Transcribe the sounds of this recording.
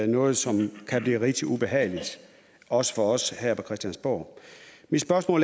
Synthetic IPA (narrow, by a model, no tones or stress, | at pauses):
nɔ̽ːð̞̩ˠsɒ̽mkʰæb̥liːʁid̥ʰiub̥e̝ɦɛ̰ːɪlid̥ | ɒ̽sə̥fɒ̽ɒ̽shæɐ̰pʰɒ̽kʰʁɛsd̥jænsb̥oːmid̥sb̥ɶɐsmɔ̰̽ːl